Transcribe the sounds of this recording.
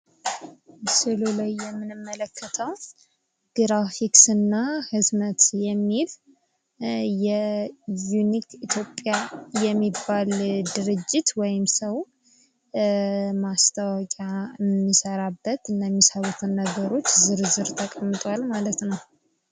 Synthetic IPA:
sɨlulajːɛmːɨnɨmːələkʰːət̪ʰəw | ɡ̥ɾafiksɨnːahɨzmət̪jɛmːil | jɛjunikʰit̪ʰjopʼːjajɛmːibːald̪ɨɾɨd͡ʒːit̪wɔjɪmsəw | mast̪ʰəwɔkʼamːisəɾabːət̪ɨnːajɛmːisawut̪ʰɨnːəɡəɾo̞t͡ʃːzɨɾzɨɾt̪ʰəkʼəmːɨt̪ʼwalmalət̪nəw

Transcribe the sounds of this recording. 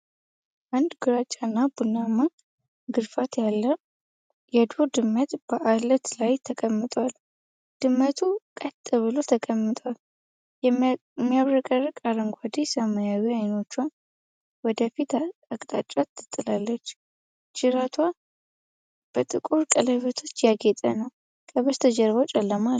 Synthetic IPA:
ʔand̪ɡuɾat͡ʃʼanːabunːama | ɡɨɾfat̪jalːə | jɛd̪od̪ɨmːət̪b̥əʔalət̪lajt̪ʰəkʼəmːɨt̪ʼwal | d̪̥ɨmːət̪ʰukʼət̪ʼːɨβɨlo̞t̪ʰəkʼəmːɨt̪ʼal | jɛmːijaβɾəkʼərːɨkʼaɾəŋɡʷwad̪esəmajawiajno̞t͡ʃːwa | wɔd̪əfit̪akʼt̪ʼat͡ʃʼat̪ʰːɨ̥t̪ʼːɨlalːət͡ʃː | d͡ʒɨɾat̪ʰwa | b̥ət̪ʼɨkʼuɾkʼələβet̪ʰo̞t͡ʃːjaɡet̪ʼə̰nəw | kʰəβəst̪ʰəd͡ʒəɾβəwt͡ʃʼɛlːəma

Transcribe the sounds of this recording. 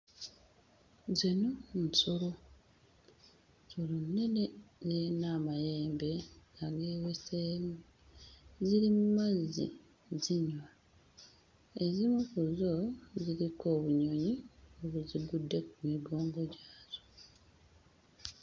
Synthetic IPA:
zinonsolo̞ | solonːe̞nezenaːmajeːmbe̞aɡeːwesem | ziɾimumazḭ | ziɲwa | ezimukuzoziɾiko̞ːβuɲo̞ɲioβuziɡudːekumiɡo̞ːŋɡo̞ɟaːzo̥

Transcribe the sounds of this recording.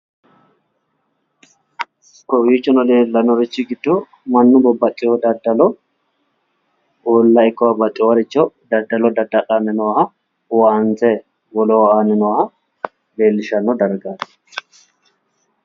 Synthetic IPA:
kɔwiːt͡ʃːɔnɔleːlːɐnɔɾɪt͡ʃːɪɡɪd̪ːɔ | mɐnːʊbɔbːɐkʼːɪjɔd̪ɐd̪ːɐlɔ | olːɐɪkːɔwɐbɐt͡ʃʼːɔwɐɾɪt͡ʃːɔd̪ɐd̪ːɐlɔd̪ɐd̪ːɐkʼanːɪnɔwhɐ | waːnt͡sɛ | wɔlɔwaːnːɪnɔwhɐ | leːlːɪʃɐnːɔd̪ɐɾɡaːt̪ɐ̥

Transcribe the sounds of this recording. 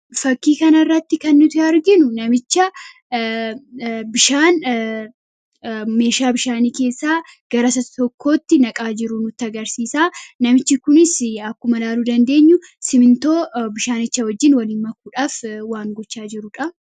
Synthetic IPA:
fɐkːiːkɐnɐrːɐt̪ːɪkɐnːʊt̪ɪɐɾɡɪnʊnɐmɪt͡ʃːɐ | bɪʃaːn | me̞ːʃaːbɪʃaːniːke̞ːsːaːɡ̥ɐɾɐsɐt̪t̪ɔkːo̞ːt̪ːɪnɐkʼaːd͡ʒɪɾʊnʊt̪ːɪɐɡɐɾsiːsaːnɐmɪt͡ʃːɪkʊnɪsɐkːʊmɐlaːluːd̪ɐnd̪e̞ːɲːʊ | sɪmɪnt̪o̞ːbɪʃaːnɪt͡ʃːɐwɐd͡ʒːɪnwɐlɪnmɐkːuːᶑaːfwaːŋɡɔt͡ʃːaːd͡ʒɪɾʊᶑɐ

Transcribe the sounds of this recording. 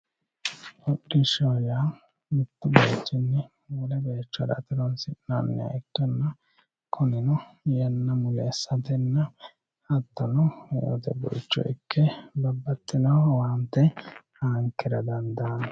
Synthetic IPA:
ɔɗːɪʃoːjaː | mɪt̪ːɪbeːt͡ʃːɪnːɛ | wʊlɛbeːt͡ʃːɔd̪ɐ̰t̪ɪɾɔnsɪʔnaːnːɛ̰ɐ̰ɪkːɛnːɐ | kʰɔnɪnɔjɐnːɐmʊlɛːsːɐt̪ɛnːɐ | hɐt̪ːɐnɔjo̰t̪ɛbɛ̰t͡ʃːɔ̰ʔɪ̰kʰːɛbɐbːɐt̪ːɪnɐwwaːnt̪ːɛhaːŋkːɛɾɐd̪ɐnd̪aːn

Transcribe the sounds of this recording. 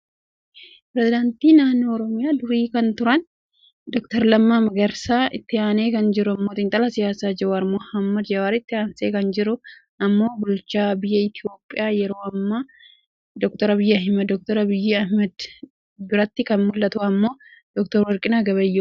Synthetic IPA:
pɾɛzɪd̪ɐnt̪iːnaːnːoːɔɾɔmɪjaːd̪ʊɾiːkɐnt̪ʊɾɐn | d̪ɔk̚t̪ɐɾlɐmːaːmɐɡɐɾsaːʔɪt̪ːɪaːneːkɐnd͡ʒɪɾʊɐmːoːt̪ɪnt̪ʼɐlɐsɪjaːsaːd͡ʒɛɐɾmɔhɐmːɐd̪d͡ʒɐwaːɾɪt̪ːɪaːnseːkɐnd͡ʒɪɾʊ | ɐmːo̞ːbʊlt͡ʃaːbɪjːɐɪt̪ɪjo̞ːpʼːɪjaːjɛɾo̞ːɐmːa | d̪ɔk̚t̪ɔɾɐbɪjːɐɐɦɪmɐd̪ɔk̚t̪ɔɾɐbɪjːɪɐhmɛd̪ | bɪɾɐt̪ːɪkɐnmʊlːɐt̪ʊɐmːo̞ːd̪̥ɔk̚t̪ɔɾwɐɾkʼɪnaɡɐβɐjːu

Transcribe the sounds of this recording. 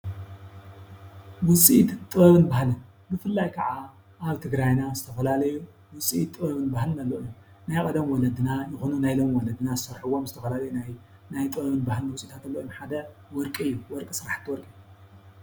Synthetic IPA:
wʊt͡sʼit̪t̪ʼɨβɐβɨnbahlɨn | bɨfɨlːajkʰɐʕa | ʔaβt̪ʰɨɡɾajnazɨt̪ʰɐfɐlalɐju | wʊsʼiit̪ʼːɨβɐβɨnbahlɨnalːoʔɨu | najkʼɐd̪ɐmwɔlɐd̪ɨnajɨxonunajlo̞mwɔlɐd̪ɨnazɨsɐɾħuwomzɨt̪ʰɐfɐlalɐjunaj | najt̪ʼɨβɐβɨnbahlɨnwʊt͡sʼit̪ʰat̪ɨlːoʔomħad̪ɐwɔɾkʼiɨjːuwɔɾkʼisɨɾaħt̪ʰːɨwɔɾkʼi

